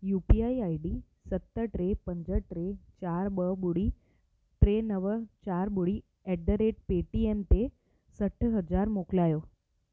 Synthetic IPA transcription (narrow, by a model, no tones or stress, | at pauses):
jupiaiaiɖi | sət̪ːəʈɾepəɲd͡zəʈɾet͡ɕaɾbəbuɽiː | ʈɾenəʋət͡ɕaɾbuɽi | ɛɖːəɾeʈ̚peʈiemt̪e | səʈʰɦəd͡zaɾmoklajo